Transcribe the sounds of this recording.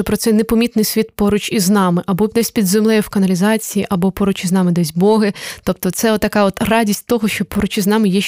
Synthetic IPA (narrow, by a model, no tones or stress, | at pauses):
pɾɔt̪sɛnepɔmʲit̪nɪjsʲʋʲit̪̚pɔɾʊt͡ʃiznɑmɪʔɐbɔd̪ɛsʲpʲid̪zemlˠɛjɛwkɐnɐlʲizɑt͡sʲijiʔɐbɔpɔɾʊt͡ʃʲiznɑmɪd̪ɛsʲbɔɦɪt̪ɔp̚t̪ɔt̪sɛɔt̪ːɐkɑɔt̪rɑdʲisʲtʲt̪ɔɦɔʃt͡ʃɔpɔɾʊt͡ʃʲiznɑmɪjɛ